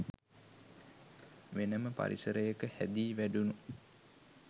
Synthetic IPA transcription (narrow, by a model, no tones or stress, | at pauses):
ʋenəməpa̰ɾḭsəɾəjəkəhæd̪iːʋæɖunu